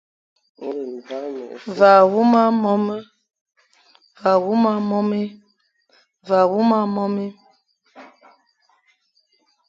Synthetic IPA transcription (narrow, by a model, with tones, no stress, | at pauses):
va˨wu˦ma˦mɔ˦mə˦ | va˨wu˦ma˦mɔ˦mi˦ | va˨wu˦ma˦mɔ˦mi˦